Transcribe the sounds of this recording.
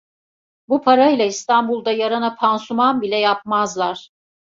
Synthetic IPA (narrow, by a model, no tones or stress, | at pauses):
bupʰaɾailʲˠaist̪ʰambulˠd̪ajaɾanapʰansumanbilʲɛjap̚mazlˠaɾ̥